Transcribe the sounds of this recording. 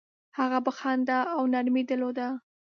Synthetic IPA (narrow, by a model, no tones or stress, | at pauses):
haɣabəxɑnd̪aawnaɾmid̪əlod̪a